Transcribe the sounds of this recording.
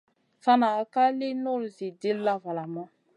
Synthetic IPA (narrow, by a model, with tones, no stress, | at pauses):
sa˦naː˨ka˦le˦no˦˨lzi˨de˦lla˦va˨la˨mã˦